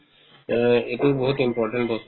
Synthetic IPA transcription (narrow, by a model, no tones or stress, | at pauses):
etuɹbɔɦut̪impɔɹʈɛnʈbɔst